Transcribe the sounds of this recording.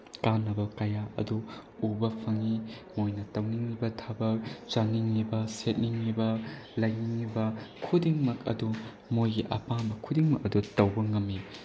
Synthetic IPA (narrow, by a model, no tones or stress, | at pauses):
kanːɐbɐkɐjaʔɐ̰duubɐpʰɐŋimojnɐtɐwniŋlibɐtʰabɐk̚t͡ʃɐniŋlibɐset̚niŋlibɐlɐjniŋnibɐkʰudiŋmɐkɐ̰du | mojɡiʔɐ̰paŋbɐkʰudiŋmɐk̚ɐdutɐwbɐŋɐmːi